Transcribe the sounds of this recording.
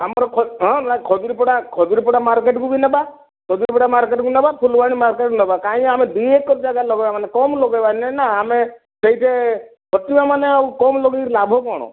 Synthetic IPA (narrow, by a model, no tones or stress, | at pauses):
amɔɾɔkʰɔɦɔ̃nakʰɔd͡ʒuɾipɔɽakʰɔd͡ʒuɾipɔɽamaɾk̬eʈkubinaba | kʰɔd͡ʒuɾipɔɽamaɾkeʈkunabapʰulbaɽ̃imaɾkeʈkunɔbakaĩamed̪uekɔd͡ʒaɡalɔɡɔbamanekɔmlɔɡɔbanɛnaame | seɦiʈʰe | pɔtimamaneawkɔmlɔɡiɾlabʱɔkɔɽ̃ɔ̰̃